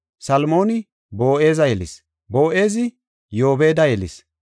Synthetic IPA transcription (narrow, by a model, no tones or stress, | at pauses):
sɐlmo̞ːnɪ | bo̞ːʔe̞ːzɐjɛlɪs | bo̞ːʔe̞ːzɪ | jo̞ːbe̞ːd̪ɐjɛlɪs